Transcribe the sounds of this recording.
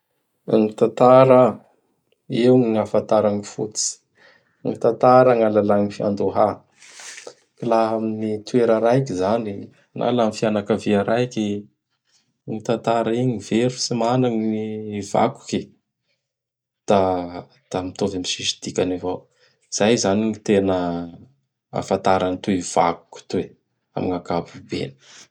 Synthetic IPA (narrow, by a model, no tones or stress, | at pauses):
ŋit̪at̪aɾə | ewŋiŋafat̪aɾaŋifut͡si̥ | ŋit̪at̪aɾəŋalalaŋifia̰nd̪oɦa | kilaɦaminit̪ueɾəɾajkizani | nʔa̰lamifianakəviaɾajki | ŋit̪ant̪aɾaiɲiveɾusimanaŋniva̰ku̥ki | d̪̥a | d̪̥amit̪ovamisiʃi̥d̪̥ikʲanivo | iz̥ajzaniŋit̪enə | a̰fant̪aɾanit̪uiv̥a̰ku̥ki̥t̪ue | a̰miŋaɡabubḛnə̥